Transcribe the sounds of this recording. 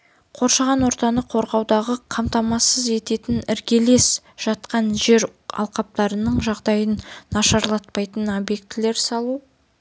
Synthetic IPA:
qʰo̞ɾʃɑʁɑnwo̞ɾt̪ɑnəqʰo̞ɾʁɑwd̪ɑʁəqʰɑmt̪ɑmɑsəze̞t̪e̞t̪ɪnɪɾkʲe̞le̞s | ʒ̥ɑt̪qɑnʒe̞ɾɑ̰lˠqɑp̚t̪ɑɾənəɴʒɑʁd̪ɑjənːɑʃɑɾlˠɑt̪̚pɑjt̪ənobje̞k̚t̪ːɪle̞ɾsɑlˠu

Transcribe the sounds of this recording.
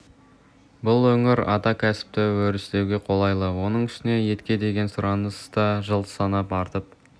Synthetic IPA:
bʊlˠwɵŋɪɾɑt̪ɑkʲʰæsɪ̥p̚t̪ɪwɵɾɪst̪e̞wɡʲe̞qʰo̞lˠɑjlˠəwo̞nəɴɪʃɪne̞je̞t̪kʲe̞d̪e̞ɡʲe̞nsʊɾɑnəst̪ɑʒəlˠt̪ə̥sɑnɑpɑɾt̪əp

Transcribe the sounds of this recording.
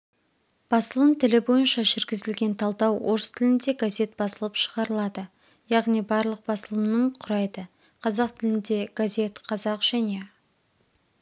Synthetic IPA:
b̥ɑsəlˠəmt̪ʰɪlɪbo̞jənʃɑʒɪɾɡʲɪzɪlɡʲe̞nt̪ʰɑlˠd̪ɑwo̞ɾəst̪ʰɪlɪnd̪eɡazʲe̞t̪̚bɑsəlˠəpʃəʁɑɾəlˠɑd̪ə | jɑʁnijbɑɾlˠəq̚bɑsəlˠəmnəɴqʰʊɾɑjd̪ə | qʰɑzɑqt̪ʰɪlɪnd̪e̞ɡ̥azʲe̞t̪qʰɑzɑqʒ̥æne̞

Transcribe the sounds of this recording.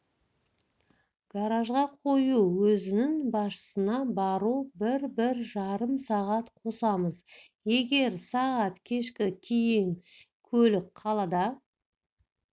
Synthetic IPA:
ɡ̥aɾaʒʁɑqʰo̞juwɵzɪnɪŋbɑsʃə̥sənɑbɑɾubɪɾbɪɾʒɑɾəmsɑʁɑt̪qʰo̞sɑməz | je̞ɡʲe̞ɾsɑʁɑt̪kʲʰe̞ʃkʲɪkʲʰejɪŋ | kʲʰɵlɪk̚qʰɑlˠɑd̪ɑ

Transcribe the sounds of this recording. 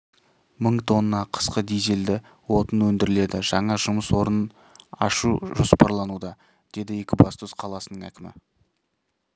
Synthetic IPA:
məɴt̪ʰo̞nːɑqʰə̥sqəd̪ejzeld̪ɪ | wo̞t̪ənwɵnd̪ɪɾɪle̞d̪ɪʒ̥ɑɴɑʒʊməswo̞ɾən | ɑ̰ʃuʒospɑɾlˠɑnud̪ɑ | d̪̥e̞d̪ɪje̞kʲɪbɑst̪osqʰɑlˠɑsənəɴæ̰kʲɪmɪ̰

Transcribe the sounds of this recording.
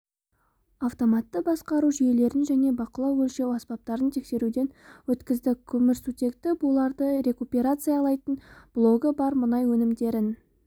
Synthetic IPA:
aft̪o̞mɑt̪ːəbɑsqɑɾuʒije̞le̞ɾɪnʒæne̞bɑqəlˠɑwɵlʃe̞wɑspɑp̚t̪ɑɾənt̪ʰe̞kse̞ɾud̪e̞nwɵt̪kʲɪzd̪ɪkʲʰʏmɪɾsut̪ʲe̞k̚t̪ɪbulˠɑɾd̪əɾe̞kupʲeɾat̪sɨjɑlˠɑjt̪ənb̥lˠo̞ɡəbɑɾmʊnɑjwɵnɪmd̪e̞ɾɪn

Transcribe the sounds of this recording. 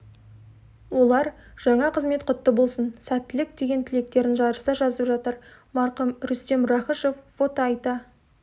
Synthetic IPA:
wo̞lˠɑɾʒ̥ɑɴɑqʰəzme̞t̪qʰʊt̪ːəbo̞lˠsənsæt̪ːɪlɪk̚d̪e̞ɡʲe̞nt̪ʰɪle̞k̚t̪e̞ɾɪnʒɑɾəɾsɑʒɑzəpʒɑt̪əɾmɑɾqəmɾʏst̪e̞mɾɑχəʃofːo̞t̪oɑjt̪ɑ

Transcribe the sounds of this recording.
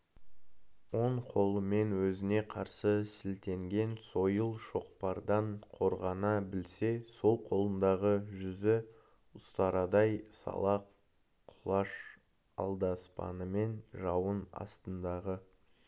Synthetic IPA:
wo̞ɴqʰo̞lˠəme̞nwɵzɪne̞qʰɑɾsəsɪlt̪e̞ŋɡʲe̞nso̞jəlˠʃo̞qpɑɾd̪ɑɴqʰo̞ɾʁɑnɑbɪlse̞so̞lˠqʰo̞lˠənd̪ɑʁəʒʏzɪ | ʊst̪ɑɾɑd̪ɑjsɑ̰lˠɑqʰ | ʊlˠɑʃ | ɑ̰lˠd̪ɑspɑ̰nəme̞nʒɑwənɑ̰st̪ənd̪ɑʁə

